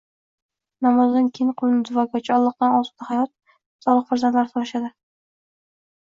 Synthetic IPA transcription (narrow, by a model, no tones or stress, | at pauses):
namɒzd̪ankʲʰiŋqʰʊlɪnɪd̪ʊvɒɡʲat͡ʃʰɒlˠːɨq̚d̪anɒs̚t̪ahajɒt̪̚ | sɒlˠɨqfaɾzant̪laɾɪt̪ʰɒaʃad̪ɪ